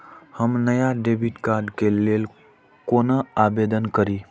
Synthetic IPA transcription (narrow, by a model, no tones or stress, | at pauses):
həmnəjaɖebiʈkaːɾɖkelel | koːnəabed̪ənkəɾi